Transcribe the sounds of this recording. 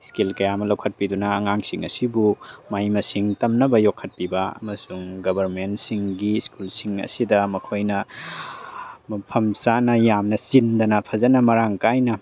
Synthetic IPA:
skilkɐjamɐlɐwkʰɐt̚pidunɐːŋaŋsiŋɐ̰sibumajmɐsiŋtɐmnɐbɐjokʰːɐt̚pibɐɐ̰mɐsuŋɡɐbʱɐɾmentsiŋɡiskulsiŋɐ̰sidɐmɐkʰojnɐ | pʰɐmsanɐjamnɐsindɐnɐpʰɐzɐnɐmɐɾaŋkajnɐ

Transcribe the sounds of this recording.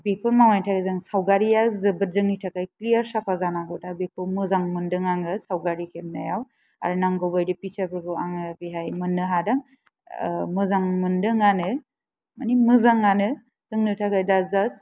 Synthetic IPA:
bikʰɯmawajtʰakizaŋsawɡaɾijazɯbɯt̚zɯŋnitʰakajklijaɾsapʰazanaɡɔtʰabikʰɯmɯzaŋmɯndɯŋaŋɯsawɡaɾikʰemnajaw | a̰ɾnaŋɡɔbajdipit͡ʃapʰɯɡɯaŋɯbiɦajmɯnːɯɦadaŋ | mɯzaŋmɯndɯŋanɯ | manimɯzaŋanɯ | z̥ɯŋnɯtʰakajdazas

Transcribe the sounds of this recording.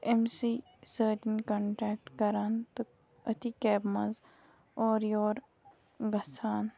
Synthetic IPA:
emsiː | səːd͡ʒ̪inkɐ̃ɳʈɛːk̚ʈkɐɾaːnt̪o | ɐt̪ikɛːbmɐz | ɔːɾjoːɾ | ɡɐsaːn

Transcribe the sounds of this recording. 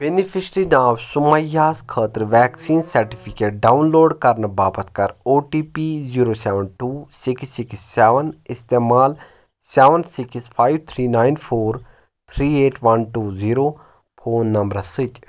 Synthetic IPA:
b̥enipʰisɾinaːwsʊməjaːskʰəːt̪əɾʋɛːksiːnsɐɾʈipʰikeːʈ̚ɖaːunloːɖkɐɾnəbaːpət̪kɐɾoːʈiːpiziːɾoːsɛːʋənʈuːsɪksɪksːɛːʋənɪst̪eːmaːl | sɛːʋənsɪkspʰaːiʋt̪ʰɾiːnaːinpʰoːɾ | t̪ʰɾiːeːʈʰʋɐnʈuːziːɾoː | pʰoːnːɐmbɾɐsɨt͡ʃ

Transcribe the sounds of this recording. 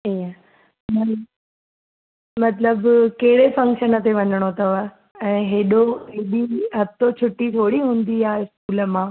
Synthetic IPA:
iːə | mɐ | mɐt̪ləbkɐɦɪɽefɐ̃ŋkʃənət̪ʰeʋɐɲəɽ̃ot̪ɐʋa | ɛ̃ːɦeːɗoɦeːɗiɦɐt̪ot͡ɕʰʊʈːit̪ʰoːɽiɦũːnd̪iaːɪskuːlə̆mãː

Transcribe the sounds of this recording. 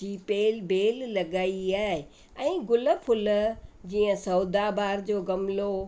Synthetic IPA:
iːpeːlbeːlːɐɡaːiaːɪ | ɛ̃ːɡʊlə̆fʰʊld͡ʑiːə̃sɐːd̪abaːɾd͡ʑoːɡɐmlo

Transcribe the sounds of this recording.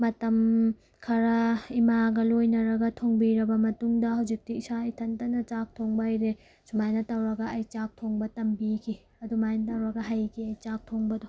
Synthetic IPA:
mɐtɐm | kʰɐɾɐimaɡɐlojnɐɾɐɡɐtʰoŋbiɾɐbɐmɐtuŋdɐhawzik̚tiʔsaːjtʰɐntɐnɐt͡ʃak̚tʰoŋbajɾe | sumajnɐtɐwɾɐɡɐɐjt͡ʃak̚tʰoŋbɐtɐmbikʰi | ɐdumajnɐtɐwɾɐɡɐɦajkʰiɐjt͡ʃak̚tʰoŋbɐdo

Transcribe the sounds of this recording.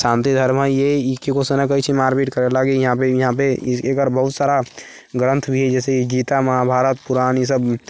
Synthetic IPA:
sãnt̪id̪ʱəɾməjeikekosenakəit͡ʃʰimaːɾbiʈkəɾelaɡijəɦãpejɐɦãpeekəɾbəɦʊt̪saːɾa | ɡɾə̃nt̪ʰbʱiɦɛd͡ʒɛːsekid͡ʒit̪aməɦabʱaːɾət̪̚puɾanisəb

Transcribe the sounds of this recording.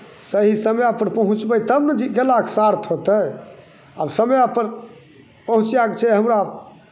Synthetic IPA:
səɦisəmjapəɾpəɦũt͡ʃbəjt̪əbnəd͡ʒikelaksaɾt̪ʰɦot̪əj | absəmjapəɾ | pəɦũt͡ʃjakt͡ʃʰɛɦəmɾa

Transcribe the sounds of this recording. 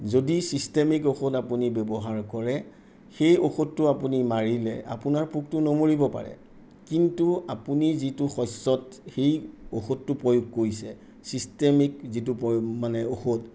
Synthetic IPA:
zodisistemikoxotapunibebɔɦaɹkɔɹɛ | xejoxotːʊapunimaɹilɛ̰ʔa̰punaɹpuk̚tʊnomoɹibɔpa̰ɹɛ̰ | kintuapunizitʊxɔjsɔtxejo̰xotːʊpɹojuɡ̚koɹisɛ | sistemik̚zitupɔjmanɛoxot

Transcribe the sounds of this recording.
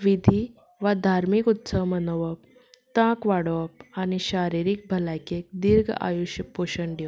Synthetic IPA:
ʋid̪ʱi | ʋad̪ʱaɾmikut̪səʋmənəʋəp̚ | t̪ãkʋaɽʋəp̚añiɕaɾiɾik̚bʱəlajkek̚d̪iɾɡʱa̰juɕəpoɕəɳɖe

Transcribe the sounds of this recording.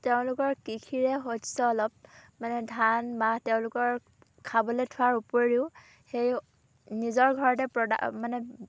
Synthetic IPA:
teʊ̃lʊkɔɹkikʰiɹɛɦotsɔɔlɔp̚manɛdʱanmahtɛʊ̃lʊkɔɹ | kʰabɔletʰʊwaɹupoɹiʊ | xej | nizɔɹɡʱɔɹɔt̬ɛpɹɔda̰manɛ

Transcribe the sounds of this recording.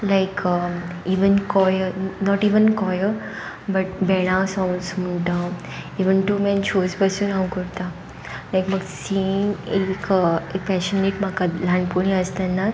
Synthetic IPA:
laɪkʰə | iːʋənkɔjənɔʈiːʋənkɔjə | bɐʈ̚bɛɽ̃asãw̃nsmuɳʈa | iːʋənʈumɛ̃nt͡ʃʰoːzbəsjunãwkuɾt̪a | lajkməɡsinekekpɛʃəneʈmakalãɳɖpuɳ̃ĩəst̪anːa

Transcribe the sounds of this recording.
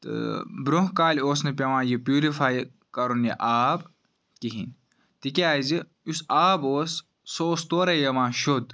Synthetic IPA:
t̪ɨ̰bɾoɦkaːlʲoːsnepʲɐʋãːjipjuːɾifaːj | kɐɾunjiʔaːb | kiɦḭn | t̪ikiaːjzi | usaːboːs | soːst̪oːɾɐjɐmãːʃod̪

